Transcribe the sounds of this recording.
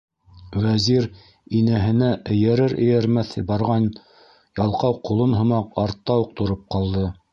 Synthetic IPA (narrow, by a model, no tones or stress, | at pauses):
wæziɾ | inæɦɘ̆næʔɘ̆jæɾɘɾɘ̰̆jæɾmæθbɑɾʁɑn | jɑlˠqɑwqŏlˠonɦŏmɑqɑɾt̪ːɑwuq̚t̪ŏɾop̚qɑlˠd̪ɤ